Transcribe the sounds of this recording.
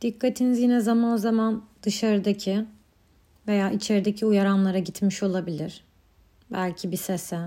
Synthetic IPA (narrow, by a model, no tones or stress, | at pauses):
d̪̥ikʰːat̪ʰinizjinɛzamanozamand̪̥ɯʃaɾɯd̪acʰɪ | ve̞jaːit͡ʃʰe̞ɾid̪ecʰiujaɾanlˠaɾaɟit̪miʃo̞lˠabilʲɪɾ̥ | bælʲcʰibisesɛ